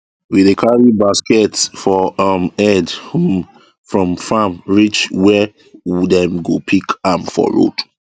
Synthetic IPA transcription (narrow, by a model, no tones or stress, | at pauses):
widekʰaɹibaskɛtsfɔamɛdhum | fɹɔ̃mfãmɹit͡ʃwɛ | dɛ̃mɡopʰikãnfɔ̰ɹo̰d